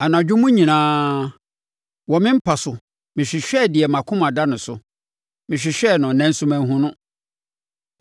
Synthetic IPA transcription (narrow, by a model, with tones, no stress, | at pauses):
a˨nã˨d͡ʑᶣʊ˦mʊ̃˦ɲĩ˨nãː˦ | wɔ˨mɪ̃˦m̩˦pʰa˨sʊ˨ | mɪ̃˨ɕᶣɪ˨ɕᶣɛ˦˨dɪ˨ɛ˨mã˨kʰʊ̃˦mã˨da˦nʊ̃˨sʊ̰˨ | mɪ̃˨ɕᶣɪ˨ɕᶣɛ˦˨nʊ̃˨nɛ̃˦n˦sʊ̃˦mæ̃˦n˦ɦʊ̃˦nʊ̃˦